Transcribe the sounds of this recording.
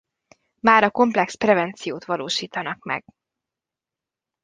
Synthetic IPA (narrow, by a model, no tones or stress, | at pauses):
maːɾɒko̞mplɛksprɛvɛnt̪sijoːt̪ʋɒloːʃiːt̪ɒnɒkmɛ̰ɡ̥̚